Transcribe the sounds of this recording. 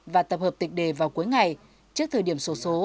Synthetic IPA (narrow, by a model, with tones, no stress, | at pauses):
vaː˨˩t̪ə˨˩p̚hə˨˩p̚t̪ï˨˩k̟̚ɗe˧˩vaː˨˩wku˨˦jŋa˨˩j | t͡ɕɨ˦˥ək̚t̪ʰəː˨˩ɗi˧˩əmso˨˦so˨˦